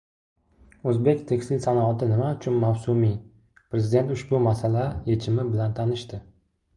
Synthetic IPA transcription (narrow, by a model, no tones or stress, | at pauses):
ɵzbe̞kʲt̪ʰekʲsɪlsanɒːt̪ʰɪnɪmaʊt͡ʃʰʊnmawsʊmi | pɾezɪd̪e̞nt̪ʊʃbʊmasalajet͡ʃʰɪmɪbɪlant̪ʰanɪʃt̪ɪ